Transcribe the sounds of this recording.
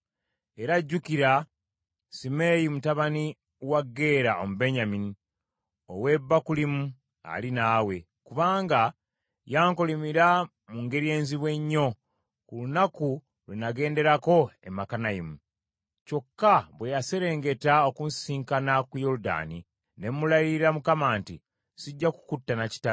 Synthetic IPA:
e̞ɾaɟːukiɾa | simejimutaβani | waɡːe̞ːɾaomube̞ɲamini | owe̞ːbːakulimu | a̰linaːwe̞ | kuβaːŋɡa | jaːŋkolimiɾa | muŋɡe̞ɾje̞ːnziβwe̞ɲːo̞ | kulunaku | lwenaɡe̞ːnde̞ɾako̞emakanajimu | co̞kːaβwe̞jase̞ɾe̞ːŋɡe̞taokunsiːŋkanakujo̞ɾuda̰ːni | ne̞mulajiɾiɾamukamaːnti | siɟːaku̥kutːanaci̥ta

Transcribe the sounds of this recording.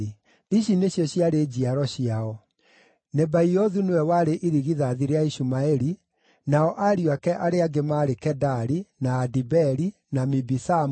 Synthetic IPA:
iɕineɕjɔɕjaɾed͡ʑiaɾɔɕiaɔ | nebaiɔðunowɛwaɾeʔiɾiɣiðaðiɾeaiɕumaɛɾi | naɔʔaɾiwakɛʔaɾeaɡemaɾekɛdaɾinaːdibɛɾi | namibisam

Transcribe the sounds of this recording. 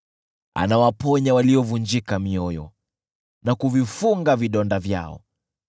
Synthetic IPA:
a̰nawapɔɲawaliɔvund͡ʒikamiɔjɔ̰ | nakuvifuŋɡaviɗɔndavja̰ɔ̰

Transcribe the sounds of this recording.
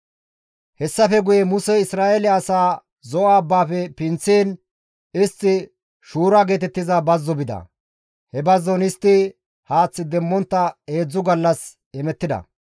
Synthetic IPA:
hɛsːɐfɛɡʊjɛmʊsɛɪsɾaːʔelɪɐsaː | zɔʔaːbːaːfɛpɪnt͡sːiːn | ɪst̪ːɪ | ʃuːɾaɡeːt̪ɛt̪ːɪzɐbɐzːɔbɪd̪ɐ̰ | hɛbɐzːɔnɪst̪ːɪ | haːt͡sːɪd̪ɛmːɔnt̪ːɐe̞ːd͡zːʊɡɐlːɐs | ɛmɛt̪ːɪd̪ɐ̰

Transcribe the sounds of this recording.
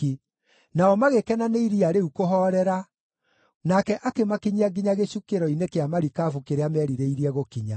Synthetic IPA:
i | naɔmaɣekɛnaneiɾiaɾeukoɦɔɾɛɾa | nakɛʔakemakiɲiaɡiɲaɣeɕukeɾɔinekeamaɾikaːvukeɾeamɛɾiɾeiɾiɛɣokiɲa

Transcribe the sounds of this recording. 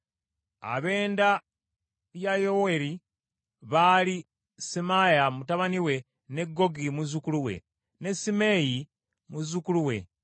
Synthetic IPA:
a̰βe̞ːnda | βjajoweɾi | βali | simajamutaβaniwe̞ | ne̞ɡːo̞ɡimuzukuluwe̞̰ | ne̞sime̞ji | muzukuluwe̞̰

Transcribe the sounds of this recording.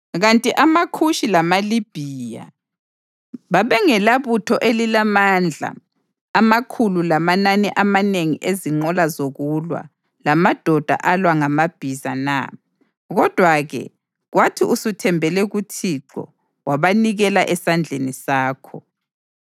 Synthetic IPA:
ɣantʼiʔamakʰuʃilamalib̥ʱija̰ | βaβɛŋɛlaβutʰɔʔelilamand͡ɮʱa̰ː | makʰululamananɛʔamaneŋiʔeziŋ͡ǃɔlazoɣulwa̰ | lamad̥ʱɔd̥ʱa̰ʔalwaŋamab̥ʱizana̰ | ɣɔd̥ʱwaɣɛ̰ | ɣwatʰiusutʰɛmbʱɛlɛɣutʰiǀɔ̰ | waβaniɣɛlaʔɛsand͡ɮʱenisaːkʰɔ

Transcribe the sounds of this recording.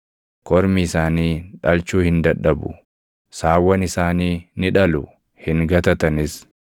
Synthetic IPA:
kɔɾmiːsaːniːᶑɐlt͡ʃuːhɪnd̪ɐᶑɐbʊ̰ | saːwːɐnɪsaːniːnɪᶑɐlʊ | hɪŋɡɐt̪ɐt̪ɐnɪs

